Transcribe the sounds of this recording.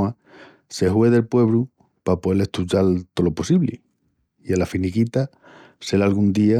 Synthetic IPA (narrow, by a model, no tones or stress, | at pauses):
a | se̞ɦweðe̞lpwe̞βɾu | papoeleht̪uʝalt̪o̞lo̞posiβlḭ | ialafinikit̪a | selalɣund̪ia